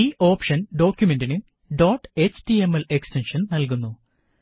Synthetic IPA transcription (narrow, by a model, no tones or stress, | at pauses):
iːʔo̞ːpʂɐnɖo̞ːkʲjume̞ndinɨ | ɖoːʈːet͡ɕtiemɐlekstenʂɐnnɐlk̬unːu